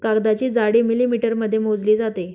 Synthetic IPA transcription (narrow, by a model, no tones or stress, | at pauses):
kaɡd̪at͡ɕiːd͡zaɽiːmilimiʈəɾməd̪ʱːjemod͡zliːd͡zat̪e